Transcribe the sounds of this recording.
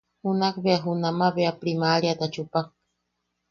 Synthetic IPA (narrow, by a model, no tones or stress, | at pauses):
hunakbeaɦunamaβeapɾimaɾiat̪at͡ʃupak̚